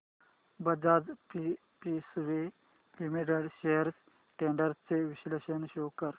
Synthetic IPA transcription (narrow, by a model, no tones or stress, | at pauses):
bəd͡zad͡zpi | pisʋe | ʋimeɖəɽɕejəɾs | ʈeɳɖəɾt͡seʋiɕleɕənɕowkəɾ